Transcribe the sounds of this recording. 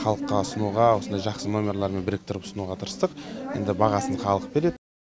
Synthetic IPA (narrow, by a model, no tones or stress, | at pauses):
χɑlˠəq̚t̪ɑsʊnuʁɑwo̞sənd̪ɑjʒɑqsəno̞mʲeɾalˠɑɾme̞nbɪɾek̚t̪ʰʊɾəpsənuʁɑt̪ʰəɾəst̪əqje̞̰nd̪ɪbɑʁɑsəɴχɑlˠəq̚be̞ɾe̞d̪